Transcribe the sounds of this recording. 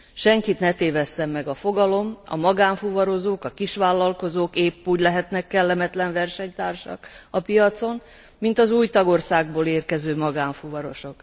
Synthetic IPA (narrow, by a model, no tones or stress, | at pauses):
ʃɛŋkit̪nɛt̪eːvɛsːɛmːɛɡɒfo̞ɡɒlo̞mɒ̰mɒɡaːɱfuvɒɾo̞zoːkɒkiʃʋaːlːɒlko̞zoːkeːpːuːɟlɛɦɛt̪nɛkːɛlːɛmɛt̪lɛɱvɛrʃɛɲt̪aːrʃɒ̰kɒpijɒt̪so̞n | mint̪ɒzuːjt̪ɒɡo̞rsaːɡ̚boːleːrkɛzøːmɒɡaːɱfuvɒɾo̞ʃo̞k